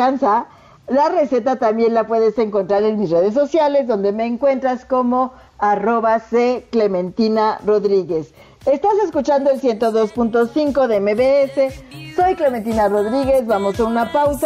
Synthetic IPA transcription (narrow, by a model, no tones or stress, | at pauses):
ansa | lare̞se̞t̪at̪ambje̞nlapwe̞ðe̞se̞ŋko̞nt̪ɾaɾe̞nmisre̞ð̞es̬ːo̞sjale̞zðo̞nd̪e̞me̞ːŋkwe̞nt̪ɾasko̞mo̞ | aro̞βaseklemẽ̞nt̪inaro̞ðɾiɣe̞s | est̪ase̞skut͡ʃand̪o̞elsje̞nt̪o̞ðo̞spunt̪o̞siŋko̞ðeemeβeese̞so̞jkleme̞nt̪̬inaro̞ðɾiɣe̞zβamo̞senunapawsa